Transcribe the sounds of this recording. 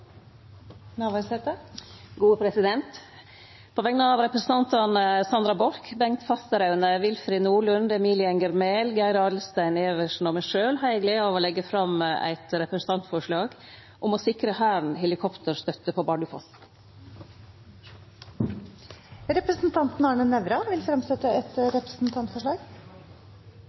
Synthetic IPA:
nɑːʋɑɾsɛt̪əɡuːəpʰɾɛsɪd̪ɛnt̪ | pʰoːʋɛŋnəɑːʋɾɛpɾəsn̩t̪ʰɑnt̪ɑnəsɑnd̪ɾɑbɔɾkbɛŋt̪fɑst̪əɾɑʉnəʋɪlfɾɪnuːɭʉnd̪ɛmiːlɪɑnɡəɾmeːlɡæɪɾɑd̪lst̪æɪneːʋəʂn̩ɔmɛʂøːlhɑɪɛɡleːɑʋoːlɛɡːəfɾɑmæ̰ɪt̪ɾɛpɾəsn̩t̪ʰɑnt̪fɔʂɭɑːɡ | ʔʊmɔsɪkɾəhæːɳ̩hɛlɪkʰɔpt̪ʰəɾʂt̪œt̪ːəpʰoːbɑɖʉfɔ̰st̪n | ɾɛpɾəsnt̪ʰɑnt̪n̩ɑɳənɛʋɾɑʋɪlfɾɑmsɛt̪ːəɛt̪ɾɛpɾəsn̩t̪ʰɑnt̪fɔʂɭɑːɡ

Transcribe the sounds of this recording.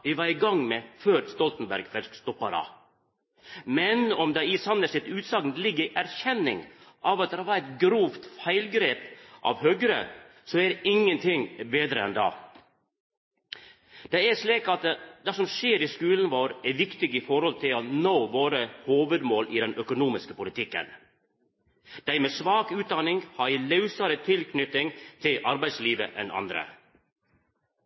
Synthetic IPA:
ʋɪʋɑɾɪɡɑŋmɛføːɾst̪ɔlt̪n̩bæ̰ɾɡfɛlskst̪ɔpːɑɾɑ̰ | mɛnɔmd̪ɑɪsɑnəsɪt̪ʉːt̪sɑɡnlɪɡːəɾɪʔæɾçɛnːɪ̰ŋʔɑʋɑt̪̚d̪ɛɑʋɑːɾæɪt̪ɡɾuːft̪fæɪlɡɾeːpʔɑ̰ʋhøɡɾə̰ | sɔæɾɪŋːənt̪ʰɪŋbeːd̪ɾəɛ̰nd̪ɑ̰ː | d̪̥ɛæʂliːkɑt̪̚d̪ɛsɔmʃeːɾiːskʉːln̩ʋoːɾɛɾʋɪkt̪ɪɡiːfɔɾhɔlt̪ʰɪlonoːʋoːɾəhoːʋəd̪moːlʔid̪ɛnʔœkʊnuːmɪskəpʊlɪt̪ʰɪkːə̰n | d̪̥æɪmeːsʋɑːkʉːt̪̚d̪ɑnɪŋhɑɾilɑʉsɑɾət̪ʰɪlkʰnʏt̪ɪŋt̪ʰɪlʔɑɾbæɪd̪sliːʋə̰ʔɛnʔɑ̰nd̪ɾə̰

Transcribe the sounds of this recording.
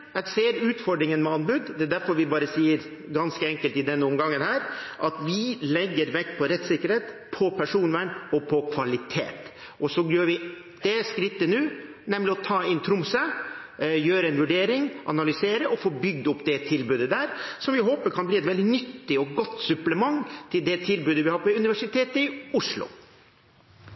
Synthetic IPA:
ɛseːɾʉːt̪fɔɖɾɪŋənmɛɑnbʉːd̪d̪ɛɛd̪æɾfɔɾʋɪbɑːɾəsiːəɾ | ɡɑnskəɛŋkəlt̪ɪd̪ɛnːəʊmɡɑŋːənhæːɾʔɑt̪ʋɪlɛɡːəɾʋɛkːpʰɔɾɛt̪ːsɪkːəɾheːt̪pʰɔpʰæʂuːnʋæːɳɔpʰɔkʰʋɑlɪt̪ʰḛːt̪ | ɔsɔjøːɾʋɪ | d̪̥ɛskɾɪt̪ːənʉːnɛmlɪɔt̪ʰɑːɪnt̪ʰɾʊmsə | jøːɾəɛnʋʉɖeːɾɪŋʔɑ̰nɑlʏseːɾəʔɔfoːbʏɡ̚d̪ɔpːd̪ɛt̪ʰɪlbʉːd̪əd̪æːɾsɔmʋɪɦoːpəɾkʰɑnbliːɛt̪ʋɛld̪ɪnʏt̪ːɪɔɡɔt̪ːsʉpləmɑŋːt̪ʰɪld̪ɛt̪ʰɪlbʉːd̪əʋɪhɑːɾpʰɔʉnɪʋæʂɪt̪ʰeːt̪əɪʊʂlʊ̰

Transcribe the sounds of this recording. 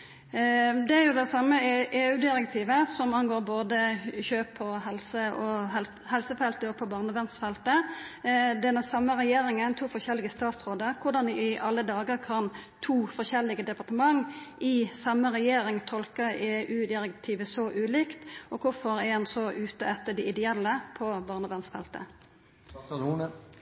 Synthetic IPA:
d̪ɛæɾjʊd̪ɛsɑmːəʔeːʉːd̪ɪɾɛk̚t̪ʰiːʋəsɔmɑnɡoːɾboːd̪əçøːpʰːɔɦɛlsəʔɔɛl | hɛlsəfɛlt̪əɔpʰːɔbɑːʁnəʋɛnst̪fɛlt̪ə | d̪ɛnːəsɑmːəɾɛjeːɾɪŋənt̪ʰuːfɔçɛlːɪɡəst̪ɑːt̪sɾoːd̪əɾkʰʊɖ̪ɑnd̪ɪɪʔɑlːəd̪ɑːɡəɾkʰɑnt̪ʰuːfɔʃɛlːɪɡəd̪ɛpɑʁt̪əmɑŋʔɪsɑmːəɾɛjeːɾɪŋt̪ʰɔlkəeːʔʉːd̪ɪɾɛkt̪ʰiːʋəsɔʔʉːliːkt̪ʔɔkʰʊɾfɔɾɛɑnsɔʔʉːt̪əɛt̪ːəɖ̪ɛɪd̪ɛɛlːəpʰɔbɑːʁnəʋɛnst̪fɛ̰lt̪ə̰ | un

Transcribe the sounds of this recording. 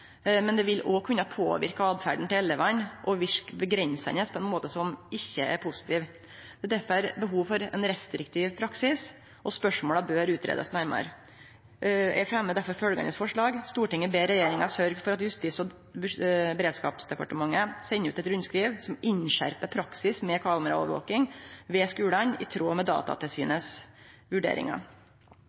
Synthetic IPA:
mɛnd̪ɛʋɪlɔkʰʉnːɑpʰo̰ːʋɪ̰ɾkɑɑːd̪fæ̰ɖɳ̩t̪ɪlɛlːəʋɑnʔɔʋɪʂkbəɡɾɛnsɑ̰nəspʰɔɛnmoːt̪əsɔmɪçːəɛ̰ɾpʰʊsɪ̥t̪ʰiːʋ | d̪̥ɛːd̪æɾfɔɾæɾbəɦuːʋfɔɾɛ̰nɾɛst̪ɾɪkt̪ʰɪːʋpʰɾɑksɪs | ʔɔspœʂmoːlɑbøːɾʉːt̪ʰɾḛːd̪ə̰snæɾmɑ̰ɾ | ɛfɾɛmːəd̪æɾfɔɾfœlɡɑ̰nəsfɔʂɭɑːɡst̪uːʈɪŋːəbeːɾɛjeːɾɪŋɑsœɾɡfɔɾɑt̪jʉst̪ɪsɔ | bbɛɾeːd̪skɑ̰ːpsd̪ɛpɑ̰ʈəmɑŋːəsɛnːəʉːt̪ɛt̪ɾʉnskɾiːʋsɔmɪɲɕæ̰ɾpəpʰɾɑksɪsmɛkʰɑːməɾɑɔ̰ʋɾʋo̰ːkɪŋʋɛskʉːlɑnɪ̰t̪ʰɾoːmɛd̪ɑ̰ːt̪ɑ̰t̪ʰɪlsyːnəsʋʉɖḛːɾɪ̰ŋɑ̰

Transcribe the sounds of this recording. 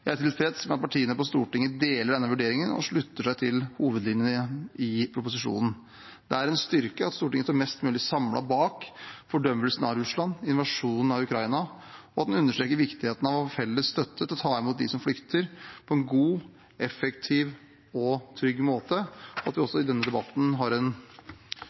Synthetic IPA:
jæɪæʈʰɪlfɾɛt̪smɛnɑt̪pɑʈʰiːənəpɔst̪uːʈɪŋːəd̪eːləɖɛnːəʋʉɖeːɾɪŋənɔ̰ʂɭʉt̪ːəʂæɪt̪ʰɪlhuːʋəd̪lɪnjənəɪpʰɾʊp̬ʊsɪʂṵːnn̩ | d̪ɛæɾɛnst̪ʏɾkəɑt̪st̪uːʈɪŋəst̪oːmɛst̪mʉːlɪsɑmlʔɑ̰bɑːkfɔɖœmːəlsənɑɾʉslɑnːɪnʋɑʂuːnn̩ɑʋʉkʰɾɑɪnɑ | ɔɑt̪̚d̪nʉnːəʂʈɾeːkəɾʋɪkt̪ɪheːt̪n̩ɑʋfɛlːəsːt̪œt̪ːət̪ʰɪlɔt̪ʰɑːɪmuːt̪̚d̪ɪsɔmflʏkt̪ʰəɾpʰɔɛnɡuː | ɛfɛkt̪ʰɪʋ | ɔt̪ʰɾʏɡːmoːt̪əɔɑ̰t̪ʋɪɔsːɔɪd̪ɛnːəd̪ɛbɑt̪ːn̩ɦɑɾɛn

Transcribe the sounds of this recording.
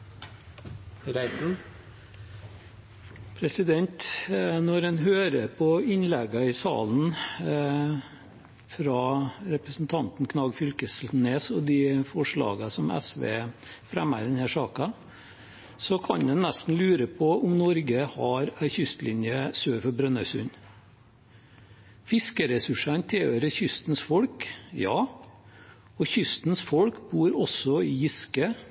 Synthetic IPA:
ɾæɪ | pʰɾɛsɪd̪ɛnt̪nɔɾɛnɦøːɾəɾpʰɔɪnlɛɡɑɪsɑ̰ːln̩ | fɾɑːɾɛpɾəsn̩t̪ʰɑnt̪n̩kʰnɑːɡfʏlkəsneːsɔd̪ɪfɔʂɭɑ̰ːɡɑsɔmæ̰sʋḛːfɾæ̰mæ̰ɾd̪ɛnhæːʂɑːkən | sɔkʰɑ̰ɲd̪ɛnnɛst̪n̩lʉːɾəpʰɔʔʊmnɔɾɡəhɑɾæɾçʏst̪lʔɪnjəsøːfɔɾbɾœnːəsʉ̰ɲ | fɪskəɾɛsʉʂɑnt̪ʰɪøːɾəçʏst̪n̩sfɔɽkjɑː | ɔçʏst̪nsfɔlkbuːɾɔsɔɪjɪskə

